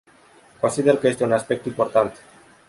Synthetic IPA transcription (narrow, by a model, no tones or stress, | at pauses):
konsiðeɾkest̪eunaspek̚t̪oimpoɾt̪ant̪